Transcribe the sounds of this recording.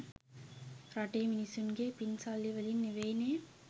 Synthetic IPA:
ɾaʈeːminisɯnɡeːpinsaːliʋɐlinːeʋejneː

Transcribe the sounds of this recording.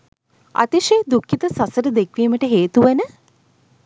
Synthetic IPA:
a̰t̪iʃeːd̪ukːit̪əsasəɾəd̪ekʋiːməʈəɦeːt̪uʋɐnə

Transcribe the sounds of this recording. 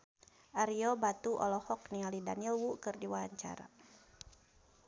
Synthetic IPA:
ʔaɾiɔbat̪uʔɔ̰lɔhɔk̚nialidanilwukɨrdiwaaɲt͡ʃa̰ɾa̰

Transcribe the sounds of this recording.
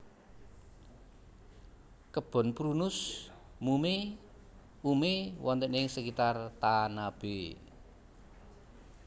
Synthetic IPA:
kəb̥ɔ̤npɾunʊs | mume | umewɔnt̪eʔnɪŋsəkit̪art̪anab̥e

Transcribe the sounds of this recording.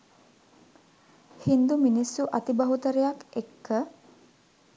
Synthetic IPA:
hind̪uminisːuʔɐt̪ibɐɦut̪əɾejakekːə

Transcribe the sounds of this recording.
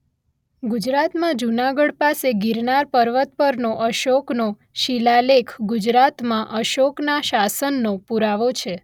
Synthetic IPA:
ɡud͡ʒɾat̪mãd͡ʒunaɡəɽpaseɡiɾnaɾpəɾʋət̪̚pəɾnoʔəʃokno | ʃilalekʰɡud͡ʒɾat̪mãʔəʃoknaʃasənːopuɾaʋot͡ʃʰe

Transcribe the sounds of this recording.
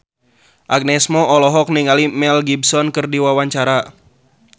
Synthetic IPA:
ʔaɡ̚nɛsmɔʔɔlɔɦɔk̚niŋalimɛlɡib̚sɔnkɨrdiwawaɲt͡ʃaɾa

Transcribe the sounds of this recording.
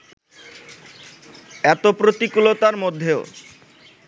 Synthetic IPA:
ɛt̪opɾot̪ikulot̪aɾmod̪ʱːeo

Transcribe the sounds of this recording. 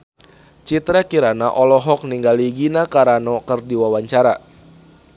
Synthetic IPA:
t͡ʃit̪ɾakiɾanaʔɔlɔɦɔk̚niŋɡaliɡinakaɾanɔkɨrdiwawaɲt͡ʃaɾa

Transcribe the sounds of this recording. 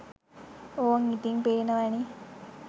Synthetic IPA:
oŋit̪iŋpeːnəʋæni

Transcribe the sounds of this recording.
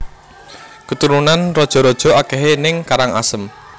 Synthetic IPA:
kət̪uɾunanrɔd̥ʒ̥ɔ̤ɾɔd̥ʒ̥ɔ̤akɛɦenɪŋkaɾaŋa̰səm

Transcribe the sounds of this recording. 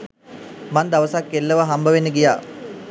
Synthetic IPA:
mand̪aʋəsakːelːəʋaɦambʱəʋenːəɡijaː

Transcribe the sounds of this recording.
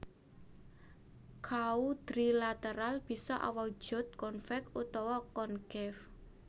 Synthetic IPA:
kʰaud̪̥ɾilat̪əɾalb̥i̤sɔʔa̰wakʒ̥ʊ̤t̪̚kɔnfɛkut̪ɔwɔkɔnɡɛf

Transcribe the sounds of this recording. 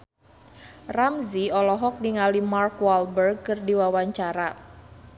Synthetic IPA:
ramziɔlɔɦɔk̚niŋalimarkwalbərɡ̚kɨrdiwawaɲt͡ʃaɾa

